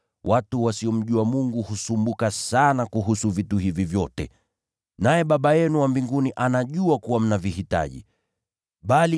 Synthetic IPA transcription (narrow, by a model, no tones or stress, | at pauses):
wʔatuwasiɔm̩ʄuamuŋɡuhusumbukasanakuɦusuvituhivivjɔtɛ̰ | najɛɓaɓajɛnuwambiŋɡuniʔanaʄuakuwam̩navihita̰ʄḭ | ɓali